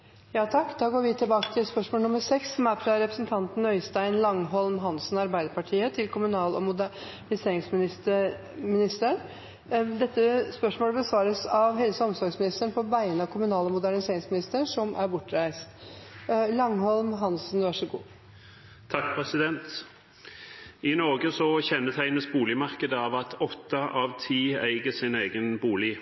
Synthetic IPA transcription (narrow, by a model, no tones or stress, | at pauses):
jɑːt̪ʰɑkːd̪ɑːɡoːɾʋɪt̪ʰɪlbɑːkə̥t̪ʰɪlspœʂmoːlnʊməsɛksːɔmæfɾɑɾɛpɾəsn̩t̪ʰɑnt̪n̩œʏst̪æɪnlɑŋɦɔlmɦɑnsn̩ɑɾbæɪd̪əɾpɑʈʰiːət̪ʰɪlkʰʊmʉnɑːlɔmʊd̪æ | ɳɪseːɾɪŋsmɪnɪst̪ə | mɪnɪst̪əɳ | d̪ɛt̪ːəspœʂmoːləbəsʋɑːɾəsɑʋɦɛlsəɔmsɔɾɡsmɪnɪst̪əɳpʰɔbæɪənəɑkʰʊmʉnɑːlɔmʊd̪æɳɪseːɾɪŋsmɪnɪst̪əʂɔmʔæɾbʊʈːɾæɪst̪ | lɑŋɦɔlmɦɑnsn̩ʋɑʂəɡṵː | t̪ʰːɑk̚pʰʁɛsɪd̪ɛnt̪ | ɪnɔʁɡəsɔçɛnːət̪ʰæɪnəsbuːlɪmɑʁkəd̪əɑʋɑt̪ʰɔt̪ːɑʔɑʋt̪ʰiːæɪɡəsɪneːɡənbuːlɪ